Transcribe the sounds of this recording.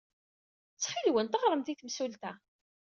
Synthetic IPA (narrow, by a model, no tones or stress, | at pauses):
t͡sːχilwənt̪əʁɾˤəmt̪iθmsult̪æ